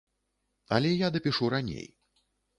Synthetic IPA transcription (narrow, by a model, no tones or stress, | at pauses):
ɐ̰lʲɛjad̪ɐpʲiʂuɾanʲḛj